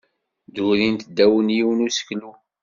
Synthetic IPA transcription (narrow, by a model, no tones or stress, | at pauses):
d̪uðint̪d̪ːæwənjiwənusə̥klu